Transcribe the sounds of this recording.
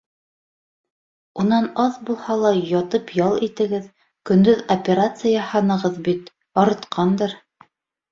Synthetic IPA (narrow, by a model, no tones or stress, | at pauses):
unɑnɑðbulˠhɑlˠɑjɑt̪ɤpjɑlˠit̪ɘ̆ɡɘð | kɵ̆nd̪ɵðopʲeɾat̪sɨjɑhɑnɤ̆ʁɤðbit̪ | ɒɾɤ̆t̪qʰɑnd̪ɤɾ